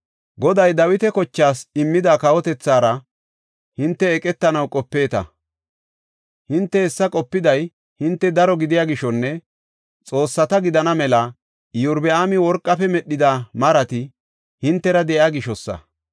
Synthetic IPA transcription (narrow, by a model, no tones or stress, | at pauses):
ɡɔd̪ɐjd̪ɐwɪt̪ɛkɔt͡ʃːaːsɪmːɪd̪akɐwɔt̪ɛt͡sːaːɾɐ | hɪnt̪ːɛɛkʼɛt̪ːɐnɐwkʼɔpːe̞ːt̪ɐ̰ | hɪnt̪ːɛɛsːɐkʼɔpːɪd̪ɐj | hɪnt̪ːɛd̪ɐɾɔɡɪd̪ɪjaːɡɪʃɔnːɛ | t͡sʼo̞ːsːɐt̪ɐɡɪd̪ɐnɐmɛlɐ | jʊɾbɛʔaːmɪwɔɾkʼːɐpɛmɛɗːɪd̪amɐɾɐt̪ɪ | hɪnt̪ːɛɾɐd̪ɛʔaːɡɪʃɔsːɐ̰